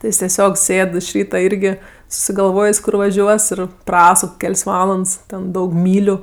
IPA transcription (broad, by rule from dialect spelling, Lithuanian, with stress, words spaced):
tʲɪ ˈjɪs tʲɛˈsʲoːk ˈsʲeːt ɪʃ ˈrʲiːtɐ ˈɪrʲɡʲɪ sʊsʲɪɡɐlˠˈʋoːjeːsʲ ˈkʊr ʋɐˈʒʲuɔs ˈɪr ˈprɑːsʊk ˈkʲɛlʲsʲ ˈʋɑːlˠɐnts tʲɛn ˈdɐʊk ˈmʲiːlʲʊ